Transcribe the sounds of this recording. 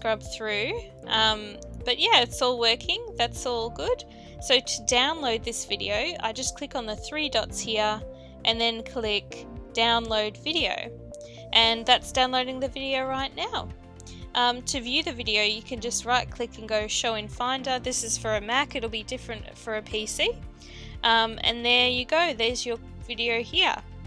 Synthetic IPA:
skɹʌb̥θɹʉ | ʔʌ̃m | b̥ʌʔ̚jæɪtsɔlˠwɜ˞kʰɪ̃ŋðætsɔlˠɡʊd̥ | soʊɾɨdãʊ̃nloʊd̪̚ðɪsv̥ɪɾḭoʊa̰ɪd͡ʒʌskʰl̥ɪkn̩ðɨθɹidɑtshiɹ | ʔɨ̃nðɨ̃nkʰl̥ɪkd̥ãʊ̃nloʊdvɪɾioʊ | ʔɨ̃nðætsd̥ãʊ̃nloʊɾɪ̃ŋðɨvɪɾioʊɹaɪtⁿnaʊ | ʔʌ̃mtʰɨvjʉðɨvɪɾioʊjɨkʰɨ̃nd͡ʒʌst̚ɹaɪt̚kʰl̥ɪkɨ̃nɡoʊʃoʊɨ̃nfãɪ̃ndəðɪsɨz̥fə˞ɨmækɨɾl̩ˠbidɪfɹɨ̃ntfə˞ɨpʰisi | ʔʌ̃mɨ̰̃nðə˞jɨɡoʊðə˞zjə˞ | vɪɾioʊhiɹ

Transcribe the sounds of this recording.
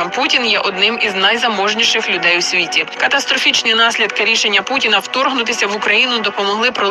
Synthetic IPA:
mputʲinjɛʔɔd̪nɪmiznɐjzɐmɔʒnʲiʃɪxlʲʊd̪ɛjwsʲʋʲitʲikɐt̪ɐst̪ɾɔfʲit͡ʃnʲinɑsʲlʲid̪kɪɾʲiʃenʲːɐputʲinɐwt̪ɔrɦnʊt̪ɪsʲɐʋʊkɾɐjinʊd̪ɔpɔmɔɦlˠɪpɾɔ

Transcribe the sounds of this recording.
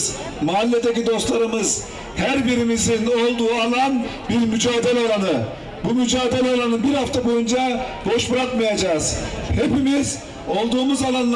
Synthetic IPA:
maːlʲːed̪ecid̪o̞st̪lˠaɾɯmɯz̥ | hæɾbiɾimizino̞lˠd̪uːalˠan | biɾmyd͡ʒaːd̪elʲɛalˠanɯ | bumyd͡ʒaːd̪elʲɛalˠanɯbiɾhaft̪ʰabo̞jund͡ʒabo̞ʃbɯɾakmajad͡ʒaːz̥he̞pimiz | o̞lˠd̪uːmuzalˠanlˠ

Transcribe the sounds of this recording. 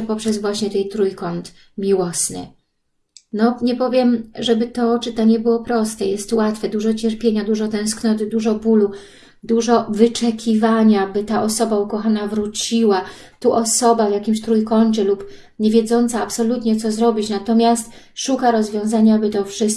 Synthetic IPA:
pɔpʂɛzvwaɕɲɛt̪ɛjt̪ɾujkɔnt̪ | mʲiwɔsnɘ̰ | nɔɲɛpɔvʲjɛmʐɛbɘt̪ɔt͡ʂɘt̪aɲɛbɘwɔpɾɔst̪ɛjɛst̪wat̪fɛd̪uʐɔt͡ɕɛɾpʲjeɲad̪uʐɔt̪ɛ̃w̃sknɔt̪ɘd̪uʐɔbulu | d̪uʐɔvɘt͡ʂɛkʲivaɲabɘt̪aʔɔsɔbaukɔxanavɾut͡ɕiwa | t̪uʔɔsɔbavjakʲimɕt̪ɾujkɔnt͡ʂɘlup | ɲevʲjɛd̪zɔnt̪saːpsɔlut̪ɲɛt̪sɔzɾɔbʲit͡ɕnat̪ɔmʲjast̪ʂukaɾɔzvʲjɔ̃w̃zaɲabɘt̪ɔfʂɘst̪̚

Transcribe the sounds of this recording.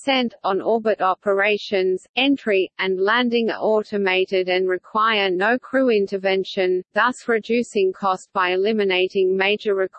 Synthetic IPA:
sɛ̃ntn̩ɔɹbɨɾɑpʰə˞eɪʃɨ̃nz̥ɛ̃ntɹ̥iɨ̃nlæ̃ndɪ̃ŋə̰ʔɔˑɾɨmeɪɾɪɾɨ̃nɹɨkʰw̥aɪə˞nəʊkʰɹ̥ʉɪ̃ntəvɛ̃nʃɨ̃nðʌsɹɨdʉsɪ̃ŋkʰɔst̚b̥aɪɨlɪ̃mɨneɪɾɪ̃ŋmeɪd͡ʒə˞ɹɨkʰ

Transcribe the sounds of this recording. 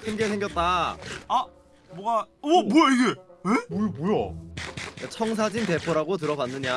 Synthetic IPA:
kʰɯnɡesʰe̞ŋɡjʌt̚t͈aa | mwʌɡabojʌiɡeebojboja | jat͡ɕʰʌŋs̬ʰad͡ʑinte̞pʰoɾaɡot̬ɯɾʌɡanːɯɲa

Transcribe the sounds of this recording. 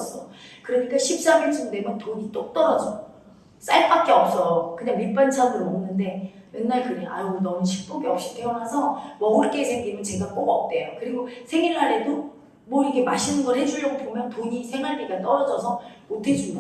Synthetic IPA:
s͈ʌokɯɾʌɲik͈aɕʰip̚s͈amesʰuŋdwe̞mjʌntoɲit͈ok̚t͈ʌɾʌd͡ʑʌ | s͈aɭp͈ak̚k͈e̞ʌp̚s͈ʌjokɯɲaŋmip͈ant͡ɕʰamɯɾomnːɯnde̞ | ennaɭkɯɾeʔa̰uinʌnɯnɕʰik̚p͈oɡeʌp̚ɕ͈i̥tʰeʌnasʰʌmʌŋɯɭk͈e̞sʰe̞ŋɡimɯnt͡ɕe̞ɡak͈oɡʌp̚t͈e̞jokɯɾiɡosʰe̞ŋiɾɦaɾe̞do | mwʌiɡe̞maɕʰinɯnɡʌɾhed͡ʑuʎːʌɡobomjʌntoɲisʰe̞ŋɦaɭmiɡat͈ʌɾʌd͡ʑʌsʰʌmotʰe̞d͡ʑu

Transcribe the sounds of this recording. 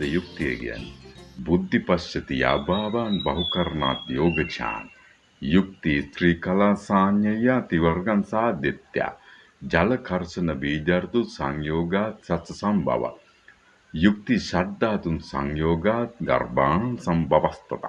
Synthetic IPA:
ejuk̚t̪ijḛɡḭja̰nːibud̪ʱːipɐʃjɐt̪ija̰ːbaːʋaːnbɐɦukɐɾna̰ːt̪joːɡɐt͡ʃʰa̰ːn | juk̚t̪isɾiːkɐlaːsaːɲjɐjːaːt̪iʋɐɾɡɐnsaɦɐd̪et̪ja̰ː | d͡ʒɐlɐkʰɐɾsɐnɐʋiːd̪jaːrt̪ut̪sɐŋjoːɡaːt̪sɐt̪sɐsɐmbʱɐ̰ʋa̰ | juk̚t̪iʃad̪aːt̪unsɐ̰ŋjoːɡaːt̪ɡɐ̰rbaːnsɐmbɐʋɐst̪ɐt̪a̰

